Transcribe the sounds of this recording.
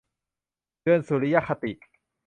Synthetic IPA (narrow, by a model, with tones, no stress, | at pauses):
ɯ˥˧˩ənsu˨˩li˦ja˦˥˩kʰa˧t̪i˨ʔ